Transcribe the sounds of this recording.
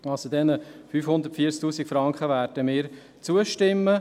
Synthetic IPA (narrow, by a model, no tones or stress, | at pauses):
ɑsodɛnəfyːfhʊnd̪əɾtfiəɾt͡sk̚t̪uːsikfɾɑŋkχəʋæːɾd̥əmɪːɾ | t͡suəʃtɪmːə